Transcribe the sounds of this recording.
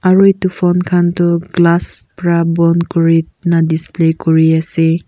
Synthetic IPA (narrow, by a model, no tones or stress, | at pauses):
aɹɔjtufpʰɔnkʰantɔɡlaspɾabɔnkɔɹi | nadisplekɔɹiase